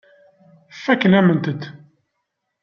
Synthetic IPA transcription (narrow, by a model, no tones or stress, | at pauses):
fːækːənæmənt̪ət̪